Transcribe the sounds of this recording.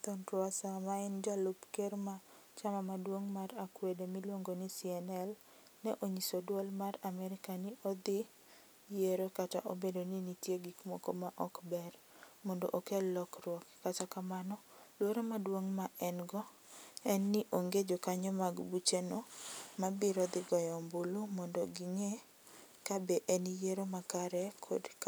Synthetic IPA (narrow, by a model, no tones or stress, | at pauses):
t̪ɔntwasamaɪnd͡ʒalupkeɾma | t͡ʃamamadwoŋmaɾakwedemilwoŋɡonɪsiɛnɛl | nɛʔoɲisodwɔlmaɾamɛɾɪkanɪʔod̪ɪ | jeɾokata̰ʔobedonɪnitjeɡikmokomaʔɔkbɛr | mɔndo̰ʔokelɔkrwɔkːatakamanɔ | lwoɾomadwoŋmaʔɛnɡɔ | ɛnːɪʔoŋɡed͡ʒokaɲɔmaɡbut͡ʃenomabɪɾɔd̪ɪɡɔjɔmbolomɔndoɡiŋe | kabeʔɛnijeɾomakaɾɛkʰo̰dk